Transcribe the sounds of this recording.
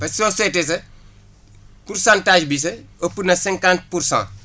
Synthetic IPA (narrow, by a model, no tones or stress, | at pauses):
pɐsɔsɛtes̬ɐ | pursãntaːʒbis̬ɐopːunɐsɛ̃ŋkãnt̚pursã̰ː